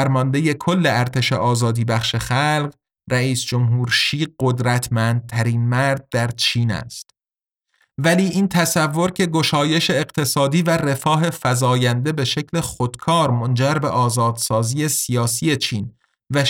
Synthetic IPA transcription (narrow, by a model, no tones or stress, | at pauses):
æɾmɒːnd̪e̞je̞kʰo̞lːe̞æɾt̪ʰe̞ʃḛʔɒːzɒːd̪iːbæxʃe̞xælɢ | ræiːsd͡ʒo̞mɦuːɾʃiːɢo̞d̪ɾæt̪ʰmænd̪̚t̪ʰæɾiːnmæɾd̪̚d̪æɾt͡ʃʰiːnæ̰st̪ | væliːʔiːnt̪ʰæsævːo̞ɾcʰe̞ɡo̞ʃɒːje̞ʃe̞ːɢt̪ʰe̞sɒːd̪iːvære̞fɒːɦe̞fæzɒːjænd̪e̞be̞ʃe̞cʰle̞xod̪̥kʰɒːɾmond͡ʒæɾbeʔɒːzɒːd̪̥sɒːziːe̞sijɒːsie̞t͡ʃʰiːn | væ